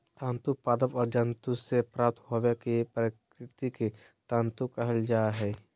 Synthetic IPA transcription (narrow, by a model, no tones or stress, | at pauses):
t̪ãːnt̪upaːd̪əʋɔːɾd͡ʒə̃nt̪usepɾaːp̚t̪ʰɦoʋekipɾk | ɾɪt̪iki | t̪ãːnt̪ukɐɦəld͡ʒaːɦɛː